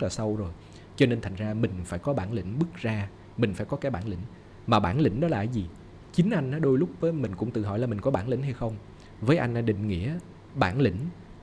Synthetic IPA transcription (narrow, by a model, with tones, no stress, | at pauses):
laː˨˩sa˧wzo˨˩j | t͡ɕɔ˧ne˧nt̪ʰa˨˩jŋ̟zaː˧mï˨˩ŋ̟faː˧˩jkɔ˨˦ɓaː˧˩nlḭ˧˩ŋ̟ɓɨ˦˥k̚zaː˧ | mï˨˩ŋ̟faː˧˩jkɔ˨˦kaː˨˦jɓaː˧˩nlḭ˧˥ŋ̟ | maː˨˩ɓaː˧˩˨nlḭ˧˥ŋ̟ɗɔ˨˦la̰ː˨˩˨jzi˨˩ | t͡ɕï˨˦ŋ̟ʔa˧jŋ̟ʔaː˨˦ɗo˧jlʊ˦˥k͡p̚vəː˨˦jmï˨˩ŋ̟kʊ̰˧˥ŋ͡mt̪ɨ˨˩ɦɔ̰˧˨jlaː˨˩mï˨˩ŋ̟kɔ˨˦ɓaː˧˩nlḭ˧˥ŋ̟ha˧jxə˧wŋ͡m | vəː˨˦jʔa˧jŋ̟ʔa˧ɗḭ˧˨ŋ̟ŋḭ˧˥ə | ɓaː˧˩nlḭ˧˥˦ŋ̟